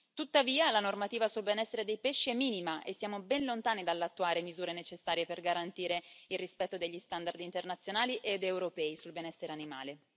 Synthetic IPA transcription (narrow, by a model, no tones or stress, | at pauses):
t̪ut̪ːaviːalanormat̪iːvasulbenɛsːeɾed̪ejpeʃːiɛmːiːnimaʔesːjaːmobɛnlont̪aːnid̪alːat̪ːuaːɾemizuːɾenet͡ʃesːaːɾjeperɡaɾant̪iːɾeilrispɛt̪ːod̪eʎːist̪and̪ard̪int̪ernat̪sːjonaːliʔed̪ewɾopɛːisulbenɛsːeɾeanima̰ːle